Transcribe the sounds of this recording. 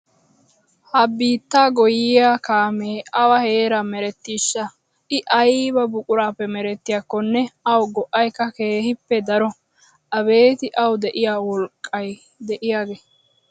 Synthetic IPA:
hɐbiːt̪ːaːɡɔjɪjaːkaːmeːɐwɐhe̞ːɾɐmɛɾɛt̪ːiːʃːɐ | ɪʔɐjbɐbʊkʼʊɾaːpːɛmɛɾɛt̪ːɪjakːɔnːɛɐwɡɔʔɐjkːɐke̞ːhɪpːɛd̪ɐɾɔ | ʔɐbe̞ːt̪ɪʔɐwd̪ɛʔɪjaːwɔlkʼːɐj | d̪ɛʔɪjaːɡe

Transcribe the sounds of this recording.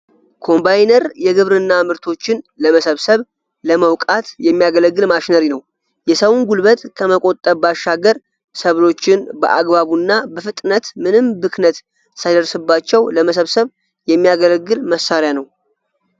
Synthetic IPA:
kʰo̞mbajnəɾjɛɡɨβɾɨnːamɨɾt̪ʰo̞t͡ʃːɪnləməsəβsəβ | ləməwkʼat̪jɛmːijaɡələɡːɨlmaʃinaɾinəw | jɛsəwnɡulbət̪ʼkʰəməkʼo̞t̪ʼːəbaʃaɡəɾ | səβlo̞t͡ʃːɪnbə̰ʔaɡβaβunːabəfɨt̪ʼnət̪mɨnɨmbɨknət̪ | sad̪ərsɨbːat͡ʃːɛwləməsəβsəβ | jɛmːijaɡələɡːɨlməsːaɾjanəw

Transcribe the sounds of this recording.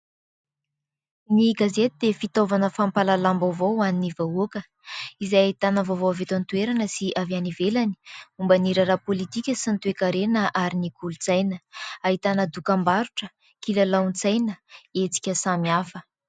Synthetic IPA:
niɡazet̪id̪efit̪ovanəfampalalambavoaninivaokə | izajaɦit̪anəvovoavet̪ant̪ueɾanəsiʔavjanivelani̥umbəniɾaɾapolit̪ikʲəsint̪uekaɾenəʔaɾinikʰulut͡sajnəaɦit̪anəd̪ukambaɾuʈ͡ʂə | kilalawnt͡sajnəet͡si̥kʲəsamiafə

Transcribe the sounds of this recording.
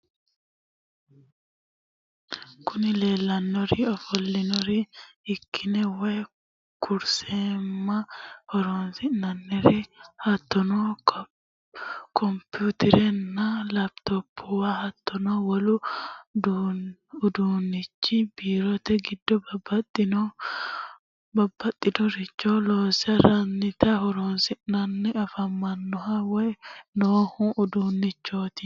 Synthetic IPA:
kʊnɪleːlːɐnːɔɾɪɔfɔlːɪnɔɾiɪkʰːɪnɛwe | kʰʊɾseːmːɐhɔɾɔnsɪnɐnːɛɾɪhɐt̪ːɔnɔ | kʰɔmput̪ɪɾɛnːɐlɐbt̪ɔpʰːɔwahɐt̪ːɔnɔwɐlʊd̪uʊd̪uːnːɪt͡ʃːɪb̥iːɾɔt̪ɛɡɪd̪ːɔbɐbɐt̪ʼːɪn | bɐbːɐt̪ʼːɪd̪ɔɾɪt͡ʃːoloːsɐɾɐnːɪt̪ɐhɔɾoːnsɪnɐnːɛɐfɐmːɐnːɔhɐwɔjnoːhʊʊd̪unːɪt͡ʃːoːt̪ɪ

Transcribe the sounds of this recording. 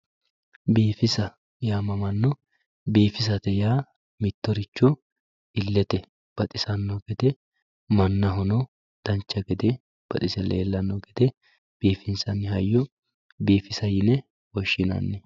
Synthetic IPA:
biːfɪsɐ | jaːmɐmɐnːɔ | biːfɪs̬ɐt̪ɛjaː | mɪt̪ːɔɾɪt͡ʃːɔ | ɪlːɛt̪ɛ | b̥ɐt̪ʼɪsɐnːɔɡɛd̪ɛ | mɐnːɐɦɔnɔ | d̪̥ɐnt͡ʃːɐɡɛd̪ɛ | b̥ɐ̰t̪ʼɪsɛlḛːlːɐnːɔɡɛd̪̥ɛ | b̥iːfɪnsɐnːɪhɐjːɔ | biːfɪsɐjɪnɛ | wɔʃːɪnɐ̰nːɛ

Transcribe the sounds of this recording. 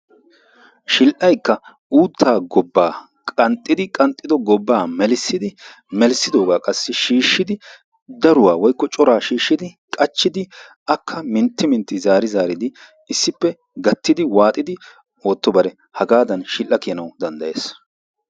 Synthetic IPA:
ʃɪlʔɐjkːɐ | uːt̪ʰːaːɡɔbːaː | kʼɐnt̪ʼːɪd̪ɪkʼɐnt̪ʼːɪd̪ɔɡɔbːaːmɛlsːɪd̪ɪ | mɛlsɪd̪o̞ːɡaːkʼɐsːɪʃiːʃːɪd̪ɪ | d̪ɐɾʊwaːwɔjkːɔt͡ʃʼɔɾaːʃiːʃːɪd̪ɪ | kʼɐt͡ʃːɪd̪ɪ | ɐkʰːɐmɪnt̪ːɪmɪnt̪ːɪzaːɾɪzaːɾɪd̪ɪ | ɪsːɪpːɛ | ɡɐt̪ːɪd̪ɪwaːt̪ʼɪd̪ɪ | o̞ːt̪ːɔbɐɾɛ | hɐɡaːd̪ɐnʃɪlʔːɐkɪjɐnɐwd̪ɐnd̪ɐjḛːs

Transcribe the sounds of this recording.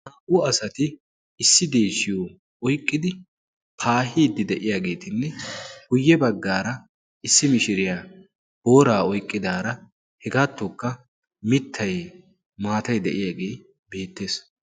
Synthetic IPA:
haːʔʊɐsɐt̪ɪː | sːɪd̪e̞ːsɪjo | ʔɔjkʼːɪd̪ɪ | pʰaːɦiːd̪ːɪd̪ɛʔɪjaːɡe̞ːt̪ɪnːɛɡ̥ʊjːɛbɐɡːaːɾɐ | ɪsːɪmɪʃɪɾɪjaː | boːɾaːɔjkʼːɪd̪aːɾɐ | hɛɡaːt̪ːokːɐ | mɪt̪ʰːɐj | maːt̪ɐjd̪ɛʔɪjaːɡeː | be̞ːt̪ːe̞ːs

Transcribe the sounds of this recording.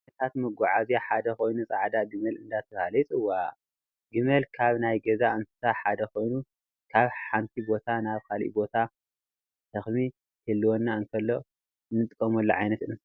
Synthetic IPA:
ɐt̪ʰat̪mɐɡʷaʕazijaħad̪ɐko̞jnut͡sʼaʕd̪aɡɨmɐlɨnd̪at̪ʰɐβalɐt̪ʼɨwːa | ɡɨmɐlkʰaβnajɡɐzaɨnsɨ̥saħad̪ɐko̞jnu | kʰaβħant̪ʰibo̞t̪ʰanaβkʰalʔḭbo̞t̪ʰa | t̪ʰɐxmi | hʰɨlːɨwonːaɨnkʰɐlːo̞ | ɨnːɨt̪ʼɨkʼːɐmɐlːoʕajnɐt̪ɨnɨs

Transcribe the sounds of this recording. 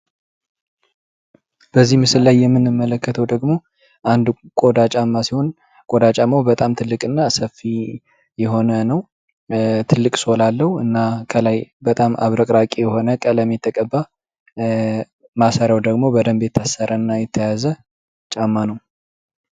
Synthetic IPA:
b̥əzːihmɨsɨllajːɛmːɨnːɨmːələkːət̪ʰəwd̪əɡmo̞ | ʔand̪kʼod̪at͡ʃʼamːasiho̞n | kʼod̪at͡ʃʼamːawbət̪ʼamt̪ʰɨlːɨkʼɨnːasəfːi | jɛɦo̞nənəw | t̪ʰɨlːɨkʼsolalːəhuɨnːakʰəlajbət̪ʼamʔa̰βɾəkʼɾakʼijɛho̞nəkʼələmet̪ʰːəkʼəbːa | masəɾawd̪əɡmo̞bəd̪əmbe̞t̪ʰːasːəɾənːajɛt̪ʰːəjazə | t͡ʃʼamːanəw

